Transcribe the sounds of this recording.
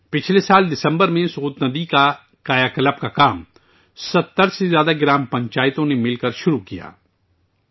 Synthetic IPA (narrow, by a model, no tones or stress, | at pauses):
pɪt͡ʃʰlesaːld̪ɪsə̃mbəɾmẽsʊuːt̪nɐd̪ika | kaːjaːkɐləb̚kakaːm | sɐt̪ːəɾsezjaːd̪aɡɪɾaːmpɐ̃ɲt͡ʃaːɪt̪õnemɪlkəɾʃʊɾukija̰ː